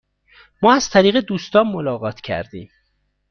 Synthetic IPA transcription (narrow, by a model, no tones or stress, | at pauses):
mɒːæz̥t̪ʰæɾiːɣed̪uːst̪ɒːnmolɒːɣɒːt̪ʰcʰæ̰ɾd̪ḭːm